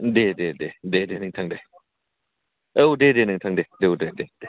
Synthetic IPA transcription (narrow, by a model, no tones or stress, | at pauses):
dededededenɯŋtʰaŋde | ewdedenɯŋtʰaŋdedeudeded̥e